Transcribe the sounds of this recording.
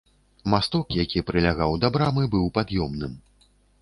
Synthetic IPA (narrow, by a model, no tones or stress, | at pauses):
mast̪ɔkjakʲipɾɨlʲaɣawd̪abɾamɨbɨwpad̪jɔmnɨm